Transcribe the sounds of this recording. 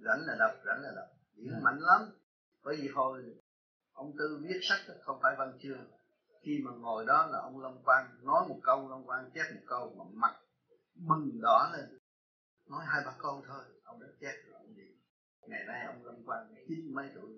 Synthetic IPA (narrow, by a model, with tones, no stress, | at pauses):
za̰˧˩nlaː˨˩ɗə˨˩wk͡p̚za̰˧˩˦n̟laː˨˩ɗə˨˩wk͡p̚ɗḭ˧˦əŋma̰˧˨jŋ̟la˨˦m | ɓəː˨˦jvi˨˩t̪ʰo˧˩j | ʔə˧wŋ͡mt̪ɨ˧vi˦˥ət̚sa˦˥k̚xə˧wŋ͡mfaː˧˩jvə˧˩nt͡ɕɨ˧əŋ | xi˧maː˨˩ŋo˨˩jɗɔ˨˦laː˨˩ʔə˧wŋ͡mlə˧wŋ͡mkwaː˧nnɔ˨˦jmo˨˩t̚kə˧wlə˧wŋ͡mkwaː˧nt͡ɕɛ˦˥t̚mo˨˩t̚kə˧wmaː˨˩ma˨˩t̚ | mɨ˨˩ŋɗɔ˧˦le˧n | nɔ˨˦jɦaː˧jɓaː˧˩kə˧wt̪ʰo˧jʔə˧wŋ͡mɗa˨˦t̚t͡ɕɛ˦˥t̚ːʔə˧ŋ͡mvi˨˩˦ | ŋa˨˩na˧jʔə˧wŋ͡mlə˧wŋ͡mkwaː˧nt͡ɕi˨˦nmə˨˦jt̪ṵ˧˩˨j